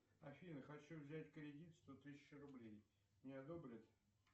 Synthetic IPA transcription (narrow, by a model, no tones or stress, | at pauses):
ɐfʲinəxɐt͡ɕuvzʲætʲkəɾʲɪdʲit̪st̪ot̪ɨsʲɪɕrʊblʲej | mnʲɪɐd̪obɾʲɪt̪